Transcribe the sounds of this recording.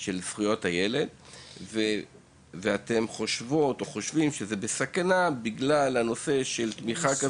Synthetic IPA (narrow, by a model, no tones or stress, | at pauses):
ʃe̞lzχujo̞thajele̞dve | veat̪e̞mχo̞ʃvo̞to̞χo̞ʃvimʃezebesakanabiɡlalano̞se̞ʃe̞lt̪miχaka